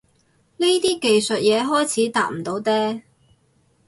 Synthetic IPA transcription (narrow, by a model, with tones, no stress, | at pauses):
ni˥t̪iː˥ke˨jsɵ˨t̚jɛː˨˧ɦɔː˥jt͡sʰiː˨˥t̪aː˨˧t̚m̩˨˩t̪o˨˥wt̪ɛː˥